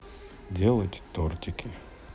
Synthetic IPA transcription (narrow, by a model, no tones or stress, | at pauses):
dʲelˠətʲt̪ortʲɪkʲɪ